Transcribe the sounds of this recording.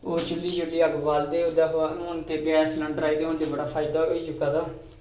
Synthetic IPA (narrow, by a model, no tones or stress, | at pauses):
oːt͡ʃʊlːiːt͡ʃʊlːiːəɡbaːld̪eːʊd̪aːʊnt̪eːbɛːsləɳɖɾaːiːd̪eːʊnt̪eːbəɽaːpʰaːɪd̪aːɦoːiːt͡ʃʊkːaːt̪aː